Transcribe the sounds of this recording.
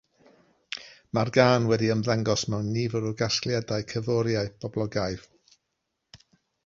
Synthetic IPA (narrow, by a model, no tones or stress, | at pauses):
marɡaːnwɛdiəmðaŋɡɔsmɛwnːivəɾʊɡasklˠjadaɨkʰəvɔɾjaɨb̥ɔblˠɔɡajv